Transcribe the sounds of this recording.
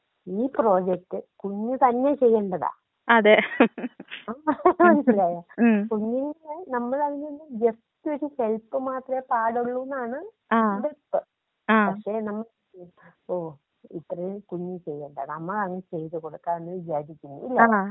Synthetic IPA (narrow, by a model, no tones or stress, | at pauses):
iːpro̞ːd͡ʑek̚ʈːɨkuɲːut̪ɐnːet͡ɕe̞jːɐɳɖɐða̰ː | ɐðe | aːɐnslaːjaːkuɲːuŋːɐɭnɐmːɐɭɐriɲːunːɨd͡ʑest̪ːioɾuhe̞ɭpːɨmaːt̪rɐmepaːɽuɭːuʋnːaːɳɨ | aːbeɭpːɨ | aːpɐkʂe̞ːnɐmːɐɭ | oː | it̪ːrɐjukuɲːut͡ɕe̞jːɐɳɖɐnnɐmːɐɭɐŋːɐt͡ɕe̞jt̪ɨkoɽukːaːnenːɨʋid͡ʑaːɾikʲːunːṵḭlːɐ